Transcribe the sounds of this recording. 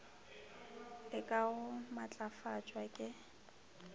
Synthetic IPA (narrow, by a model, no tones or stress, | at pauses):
ɪkʼaɣʊmat͡ɬʼafat͡ʃʼwakʼɪ